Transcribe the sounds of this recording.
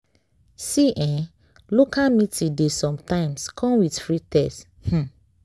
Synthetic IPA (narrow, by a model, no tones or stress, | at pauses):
siʔɛ̃ | lokamitĩdesɔ̃mtãɪ̃mskʰɔ̃mwidfɹitɛs | h̩